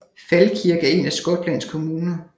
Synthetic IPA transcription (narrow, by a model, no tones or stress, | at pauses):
fælkʰiɐɡ̥əe̝næsɡ̥ɔ̽d̥læn̰skʰo̝muːnɐ